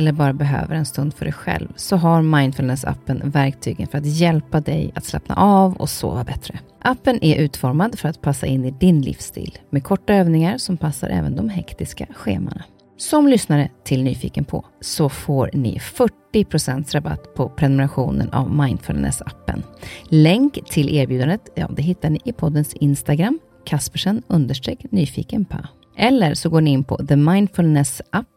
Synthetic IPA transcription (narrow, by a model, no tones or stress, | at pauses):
ɛlːəɾbɑːɾabɛɦø̰ːvəɾɛnst̪ɵnd̪fœɖɛjɧɛ̰lvsɔɦaɾmajnfɵlnɛsa̰pːənvæɾk̚t̪ʰyːɡənfœɾat̪jɛlpad̪ɛjat̪slɛ̰pna̰ʔavɔ̰so̰ːvabɛt̪ɾə | ʔapːənʔæɾʔʉ̟ːt̪fɔɾmad̪fœɾat̪pʰasːaʔɪnːɪd̪ɪnlɪ̰fst̪ʰḭːlmekʰɔʈːaøːvnɪŋaɾsɔmpʰasːaɾʔɛ̰ːvənd̪ɔmɦɛkt̪ɪskaɧeːma̰ɳa | sɔmlʏsnaɾət̪ʰɪlnyːfḭːkənpʰɔ̰sɔfoːɾɳɪ̰fœʈːɪpʰɾʊsɛnt̪sɾaba̰t̪ːpʰɔpʰɾɛnʊmɛɾaɧuːnə̰na̰vmajnd̪fɵlnɛ̰sapːə̰nlɛŋkt̪ʰːɪlʔeːɾbjʉd̪and̪ət̪jɑ̰ːd̪ɛɦɪt̪ːaɳɪʔɪpʰɔd̪ːənsɪnst̪aɡɾamː | kʰaspəʂənɵnd̪əʂʈɾeːknyːfḭːkənpʰa̰ | ʔɛlːəɾsɔɡoːɳɪɪnːpʰɔ̰ðəmajnfɵlnɛsʔapː